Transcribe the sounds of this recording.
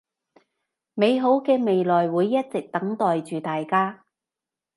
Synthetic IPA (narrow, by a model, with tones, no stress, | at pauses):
me˨˧jɦo˨˥wkɛː˧me˨jlɔː˨jwuː˨˧jːɐ˥t̚t͡sɪ˨k̚t̪ɐ˨˥ŋt̪ɔː˨jt͡ʃyː˨t̪aː˨jkaː˥